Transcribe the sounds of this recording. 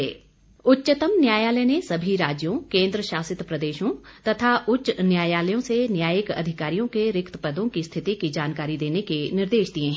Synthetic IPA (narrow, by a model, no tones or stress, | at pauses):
ɛː | ʊtːʃət̪əmnjaːjaːlənesɐbʱiɾaːd͡ʒjõkẽːnd̪ɾəʃaːsɪt̪pɾɐd̪eːʃõt̪ɐt̪ʰaʔʊtːʃnjaːjaːləjõsenjaːjəkɐ̰d̪ʱɪkaːɾijõkeɾɪkt̪əpɐd̪õkist̪ʰɪt̪ikid͡ʒaːnkaːɾid̪eːnekenɪɾd̪eːʃd̪iẽɦ